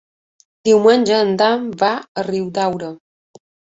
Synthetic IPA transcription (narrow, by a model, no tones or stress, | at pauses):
d̪̥iwmənʲd͡ʒəːnd̪amvaəriwd̪awɾə